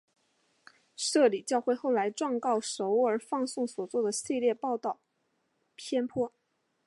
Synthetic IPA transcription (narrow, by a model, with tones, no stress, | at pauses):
ʂɤ˥˩li˨˩t͡ɕjɑ˥˧ʊxwe˥˧ɪxo˥˩ʊla˧˥ɪʈ͡ʂwɑ˥˧ŋkɑ˥˩ʊʂo˧˥ʊə˞˧˥fɑ˥˧ŋsʊ˥˩ŋswɔ˨˩t͡swɔ˥˩d̪ə˩ɕi˥˧ljɛ˥˧pɑ˥˧ʊt̪ɑ˥˩ʊ | pʰjɛ˥npʰwɔ˥